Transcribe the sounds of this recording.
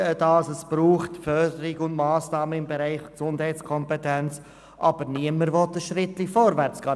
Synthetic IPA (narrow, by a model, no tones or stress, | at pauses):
d̥ɑsəsb̥ɾuːχtfœɾd̪əɾɪɡʊndmɑːsnɑːməɪmbɛɾæɪχksʊndhɛɪt͡skʰɔmpɛtɛnt͡s | ʔɑb̥əɾniəməɾvɔt̪əʃɾɪtlifɔɾvæɾt͡skɑː